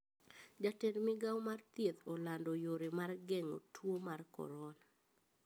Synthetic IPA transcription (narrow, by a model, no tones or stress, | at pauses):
d͡ʒatɛlmɪɡawmart̪jet̪ɔlandojoɾemarɡɛŋo̰tʰwomarkɔ̰ɾɔl